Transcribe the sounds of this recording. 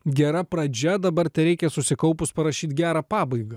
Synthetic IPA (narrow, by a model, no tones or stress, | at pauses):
ɡʲɛɾɐpɾɐd͡ʒʲɛd̪ɐbɐɾt̪ʲɛɾʲɛɪkʲɛsʊsʲɪkɐʊpʊspɐɾɐʃʲiːt̪ʲɡʲæːɾɑːpɑːbɐɪɡɐ